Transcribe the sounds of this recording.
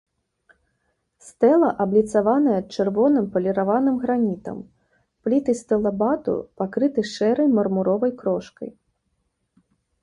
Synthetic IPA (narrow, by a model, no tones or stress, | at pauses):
st̪ɛlˠɐʔɐblʲit̪savanɐjɛt̪̚t͡ʂɨrvɔnɨmpɐlʲɛɾavanɨmɣɾanʲit̪ɐ̰m | plʲit̪ɨst̪ɛlˠɐbat̪ṵpakɾɨt̪ɨʂɛɾɐjmɐrmuɾɔvɐjkɾɔʂkɐ̰j